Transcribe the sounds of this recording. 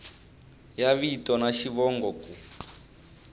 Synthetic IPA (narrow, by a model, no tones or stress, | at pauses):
jaβitɔnaʃiβɔŋɡɔku